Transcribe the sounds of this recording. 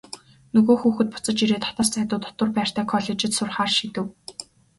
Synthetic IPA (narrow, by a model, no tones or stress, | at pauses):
nɵɣoːxuːxɘ̆t̪̚pʊ̥t͡sə̆t͡ɕiɾeːt̪ʰɔ̥t̪aːst̪ʰæːt̪ʊːt̪ʰɔ̥t̪ə̆rpæːr̥t̪ʰæːkʰɔɮet͡ɕɪ̆t̪sʊrχaːrʃit̪ɘ̆w